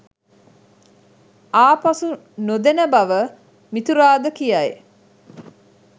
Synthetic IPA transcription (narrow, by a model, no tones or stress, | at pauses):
aːpɐsu | nod̪enəbɐʋə | mit̪uɾaːd̪əkijae